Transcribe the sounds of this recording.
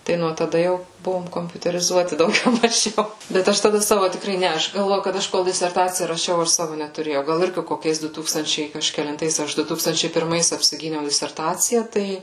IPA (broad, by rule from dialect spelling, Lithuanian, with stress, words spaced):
ˈtɐɪ nuɔ tɐˈdɐ ˈjɛʊ ˈbʊʋoːm koːmʲpʲʊtʲɛrʲɪˈzuɔtʲɪ dɐʊˈɡʲɛʊ mɐˈʒʲɛʊ bʲɛt ˈɐʃ tɐˈdɐ ˈsɑːʋoː tʲɪkˈrɐɪ ˈnʲɛ ˈɐʃ ɡɐlˠˈʋoːjʊ kɐt ˈɐʃ ˈkoːlˠ dʲɪsʲɛrˈtɑːt͡sʲɪjɛ rɐˈʃʲɛʊ ˈɐʃ ˈsɑːʋoː nʲɛtʊˈrʲeːjɛʊ ˈɡɐlˠ ˈɪrʲɡʲɪ koːˈkʲɛɪs ˈdʊ ˈtuːkstɐnʲt͡ʃʲɛɪ kɐʃʲkʲɛlʲɪnˈtɐɪs ˈɐʃ ˈdʊ ˈtuːkstɐnʲt͡ʃʲɛɪ pʲɪrˈmɐɪs ɐpʲsʲɪˈɡʲiːnʲɛʊ dʲɪsʲɛrˈtɑːt͡sʲɪjɛ ˈtɐɪ